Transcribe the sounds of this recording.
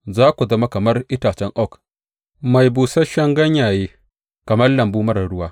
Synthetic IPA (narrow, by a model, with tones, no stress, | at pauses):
zaː˦kʷu˨zɐ˦ma˦kɐ˨mɐ˦rʔɪ˦taː˨t͡ʃɛ˦ŋʔɔ˦˨k | ma˨jbuː˨sɐ˦ʃɐ˦ŋɡɐ˦ɲjaː˨jeː˦ | kɐ˨mɐ˦rlɐ˨mbuː˦mɐ˦ɾɐ˨ɽʊ˦waː˦